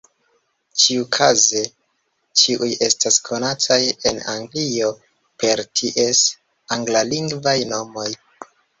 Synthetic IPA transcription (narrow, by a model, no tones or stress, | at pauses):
t͡ʃiukʰaze̞ | t͡ʃiʔuje̞staskʰo̞natʰaje̞na̰ŋɡlio̞ | pe̞ɾtʰiʔes | aŋɡlaliŋɡvajno̞mo̞j